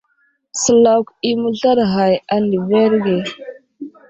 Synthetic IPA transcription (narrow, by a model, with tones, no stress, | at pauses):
sə˨la˨wki˨mu˦ɮa˦ɾɦa˨ja˨ni˨ve˦ɾɡe˨